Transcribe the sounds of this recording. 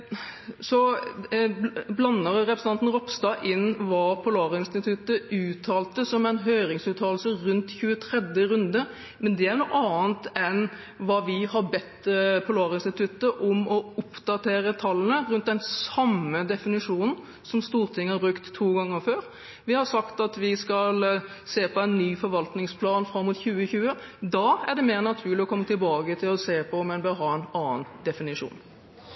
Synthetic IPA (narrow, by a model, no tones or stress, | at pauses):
sɔ | blɑnːəɾɾɛpɾəsnɑnn̩ɾɔpst̪ɑːʔɪnːʋɑːpʰʊlɑːɾəɪnst̪ɪt̪ʰʉt̪ːəʉːt̪ʰɑːlt̪əsɔmɛɪnɦœʏɾɪŋsʉːt̪ʰɑːll̩səɾʉnt̪çʉːət̪ʰɾɛd̪jəɾʉnd̪ə | mɛnd̪ɛæɾnuːʔɑːnt̪ɛn | ʋɑːʋɪhɑɾbɛt̪ːpʰʊlɑːɾɪnst̪ɪt̪ʰʉt̪ːəʔɔmɔʊpd̪̥ɑt̪ʰeːɾət̪ʰɑlːənəɾʉnt̪̚d̪ɛnsɑmːəd̪ɛfɪnɪʂuːnn̩ | sɔmst̪uːʁt̪ʰɪŋːəhɑɾbɾʉkt̪ʰːuːɡɑŋːəɾføːɾ | ʋɪhɑsɑkt̪ɑt̪ʋɪskɑl | seːpʰɔæɪnːyːfɔɾʋɑlt̪nɪŋspʰlɑːnfɾɑmːuːt̪çʉːəçʉːəd̪ɑːæʁɖɛmeːʁnɑt̪ʰʉːɾlɪɔkʰɔmːət̪ɪlbɑːɡət̪ʰɪlɔseːpʰɔmɛnbɛɦɑːɛnɑːnd̪ɛfɪnɪʂṵːn